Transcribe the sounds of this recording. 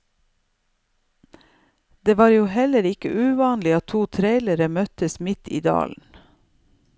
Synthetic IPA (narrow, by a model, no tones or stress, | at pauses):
d̪eːʋɑːɾjuːhɛləɾɪkə̰ʔʉːʋɑːnlɪɑt̪ʰuːt̪ʰɾeɪləɾəmœt̪əsmɪt̪ʰḭːd̪ɑ̰ːln̩